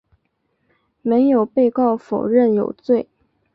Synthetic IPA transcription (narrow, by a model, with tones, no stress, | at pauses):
me˧˥ɪjo˨˩ʊpe˥˧ɪkɑ˥˩ʊfo˨˩ʊɻə˥˩njo̰˨˩ʊt͡swe˥˩ɪ